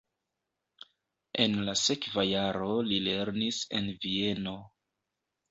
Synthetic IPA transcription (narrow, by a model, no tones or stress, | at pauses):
e̞nlase̞kvajaɾo̞lile̞ɾnise̞̰nvie̞no̞